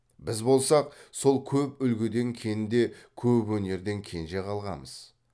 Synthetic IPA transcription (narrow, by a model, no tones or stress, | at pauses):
bɪzbo̞lˠsɑq̚so̞lˠkʲʰɵpʏlɡʲɪd̪e̞ŋkʲʰe̞nɪnd̪e̞kʲʰɵpwɵne̞ɾd̪e̞ŋkʲʰe̞nʒe̞qʰɑlˠʁɑ̰məz̥